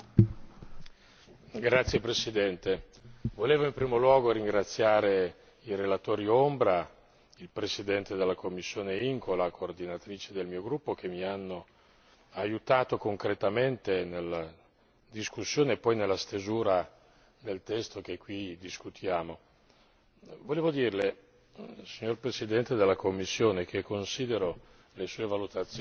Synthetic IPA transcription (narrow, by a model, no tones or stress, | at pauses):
ɡɾat̪sːjepɾesid̪ɛnt̪e | voleːvoimpɾiːmolwɔːɡoɾiŋɡɾat̪sːjaːɾe | irelat̪oːɾiombɾa | ilpɾesid̪ɛnt̪ed̪elːakʰomːisːjoːneiŋkʰolakʰoːrd̪inat̪ɾiːt͡ʃed̪elmiːoɡɾupːok̟ʰemianːo | ajut̪aːt̪okoŋkɾet̪ament̪enelːa | d̪iskusːjoːnepɔjnelːast̪ezuːɾa | d̪elt̪ɛst̪ok̟ekːwid̪iskut̪ʰjaːmo | voleːvod̪iːrle | siɲːorpɾesid̪ɛnt̪ed̪elːakomːisːjoːnek̟ekːonsiːd̪eɾo | lesuːevalut̪at̪sː